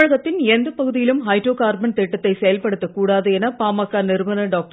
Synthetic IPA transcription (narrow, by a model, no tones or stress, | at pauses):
ɻɐɣɐt̪ːɪnɛnd̪ɐpɐɣɯðɪjɪlɯmɦɐɪʈrɾoːkaːɾbɐnt̪ɛʈːɐt̪ːɐɪsɛjɐlpɐɽɯt̪ːɐkːuːɽaːðɯɛnɐpaːmɐkːaːnɛɾmɐnɐɖaːk̚ʈ